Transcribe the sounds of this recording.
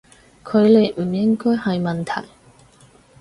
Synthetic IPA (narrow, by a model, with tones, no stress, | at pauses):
kʰɵ˨˧ɥle˨˧jm̩˨˩jɪ˥ŋkɔː˥jhɐ˨jmɐ˨nt̪ʰɐ̰˨˩j